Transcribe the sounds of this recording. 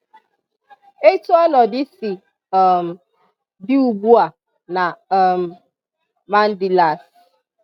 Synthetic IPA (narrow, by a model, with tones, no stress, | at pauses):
e˦tu˦ɔ˦nɔ˨di˦si˨ | ɔ˨m̩˨ | bi˦u˨bu˦a˨ | na˨m̩˨ | ma˦n̩˦di˨la˨s